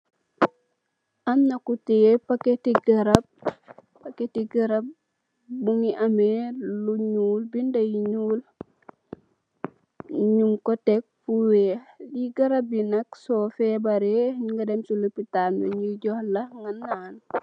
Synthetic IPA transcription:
ʔɐmnɐkutɛpɐketiɡɐɾɐb̚ | pɐketiɡɐɾɐb̚ː | uŋiʔɐmeluɲuːlbindɐjɲuːl | ɲumkɔtɛk̚fuweːliɡɐɾɐb̚binɐksɔfɛbɐɾeɲŋɡɐdɛmsulupitaɐ̰ɲiɟɔhlɐŋɡɐnːaːn

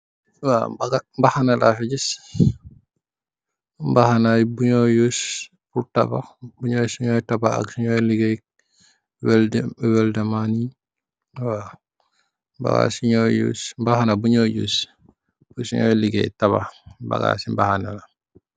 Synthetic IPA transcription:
wa̰bɡambahanalʔafɛɟis | mbahanajbuɲɔjus | puɾta̰babuɲɔjsiɲɔjtabaa̰ksiɲɔjliɡɛj | wɛlwɛldamani | wa | mba̰ɡa̰siɲɔjṵsmbahanabuɲɔjṵs | pusiɲɔ̰jliɡɛ̰jtaba̰ba̰ɡa̰simbahanala

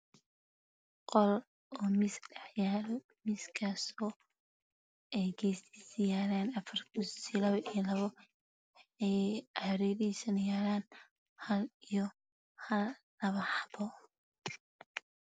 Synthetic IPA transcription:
qɔl | ɔːmɪsɛħjaːɾ | mɪskʰasɔː | ɛjɡʰɛːsiːsɪjaːɾaːnɐfɐrkʰʊssilɐβɐʔijlɐβɔ | ɛjɾɛːɾisɐnjaːɾaːn | hɐlijɔ | hɐlː | ɐβɐħɑbɔ

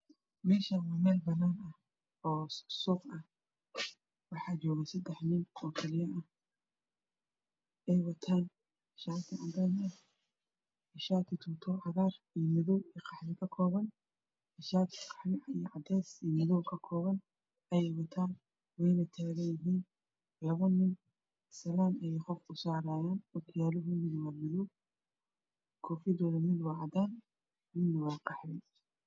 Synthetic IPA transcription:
miːʃɐwɐmɛːlbɐnaːnɐh | ɔːsuːqɐh | wɑħɑːt͡ʃɔːɣɐsɐd̪ɛħnɪnɔːkʰɛlɪjɐʔɐh | ʔɛjwɐt̪ʰaːn | ɪʃaːt̪ʰɪʕɐɡ̪anɐ | ɪʃaːt̪ʰɪt̪ʰʊt̪ʰɔːʕɑɣaːr | ijmɪðɔwiːqʰɑħlɪkʰɐkʰɔːβɐn | ɪʃaːt̪qɑ̥ħmɪʕijɔʕɑd̪ɛːsimɪðɔwkʰɐkʰɔːβɐn | ʔɐjɛjwɐt̪ʰaːn | wɛjnɐt̪ʰaːɣɐjɪɦiːn | lɐɣʊnɪn | sɐlaːnɐjɛjqɔfʊsaːɾaːjaːnwɐt̪ʰɪjaːlɔɦʊmɪdwɑːmɪðɔw | kʰɔːfɪd̪ɔːðɐmɪd̪wɑʕɑd̪aːn | mɪnːwɑːqɑħlɪ

